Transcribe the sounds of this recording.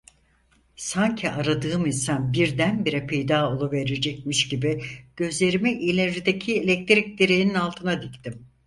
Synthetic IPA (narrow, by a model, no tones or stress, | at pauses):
saɲcʰiʔaɾad̪ɯːɯminsanbiɾd̪ænbiɾɛpʰejd̪aːo̞lˠuve̞ɾed͡ʒɛc̚miʃɟibiɟ̥ø̞zlʲe̞ɾimɛʔilʲed͡ʒid̪ecʰielʲɛc̚t̪ʰiɾic̚d̪iɾejininalˠt̪ʰɯnad̪ict̪ʰim